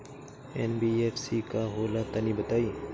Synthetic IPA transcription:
eːnbiːeːfsikaɦoːlat̪ɐnibɐt̪aːiː

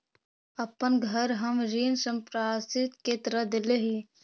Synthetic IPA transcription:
ɐpənɡʱəɾɦɐmɾiːnsə̃mpɾaːsɪt̪ket̪ɾəd̪ɪleɦi

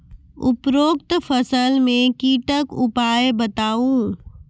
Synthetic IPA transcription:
ʊpɾoːkt̪fəsəlmẽkiːʈəkʊpaːjebət̪aːũː

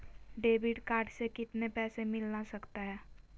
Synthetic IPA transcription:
ɖeːbɪɖkaːɾɖsekɪt̪nepɛːsemɪlnasɐkt̪aɦɛː

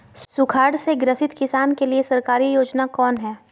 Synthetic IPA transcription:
sʊkʰaːɖseɡɾəsɪt̪kɪsaːnkeliesɐɾkaːɾijoːd͡ʒnakɔːnɦɛː

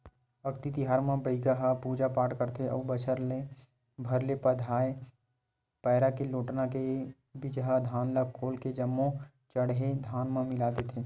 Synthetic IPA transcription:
ɐkt̪it̪ɪɦaːɾmãbəɪɡəɦapuːd͡ʒapaːʈkəɾt̪ʰeʔɔ̰ːbət͡ʃʰəɾle | bʱɐɾlepɐd̪ʱaːe | pɛːɾakeloːʈnake | bid͡ʒɦad̪ʱaːnlaɡ̚kʰoːlked͡ʒɐmːõ | t͡ʃɐɽɦed̪ʱaːnmãmɪlaːd̪et̪ʰeː

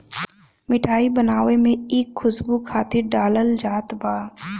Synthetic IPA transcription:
mɪʈʰaːibɐnaːʋemẽeːkʰːʊsbukʰaːt̪ɪɾɖaːləld͡ʒaːt̪baː

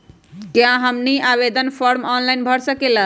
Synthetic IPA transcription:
kjãɦəmniaβed̪ʱənpʰɔɾmɔnlainbʱəɾsəkelə

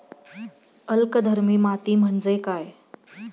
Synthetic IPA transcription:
əlkəd̪ʱəɾmiːmat̪iːm̤əɳd͡zekaj

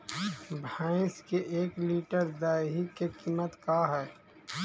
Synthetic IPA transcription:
bʱãːɪ̃skeʔeːkliːʈəɾd̪aːɦikekiːmət̪kaːɦɛː

